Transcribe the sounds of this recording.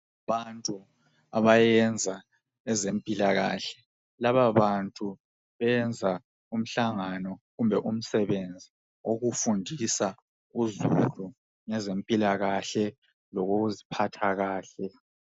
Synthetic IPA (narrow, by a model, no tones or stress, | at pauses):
βantʼu | aβajɛnd͡zʱa | ɛzempʼilaɣaɬɛ̥ | laβaβantʼu | βɛnd͡zʱa | um̩ɬaŋanɔɣumbʱɛʔum̩sɛβend͡zʱi | oɣufundʱisa | uzulu | ŋɛzempʼilaɣaɬɛ | lɔɣoɣuzipʰatʰaɣaːɬɛ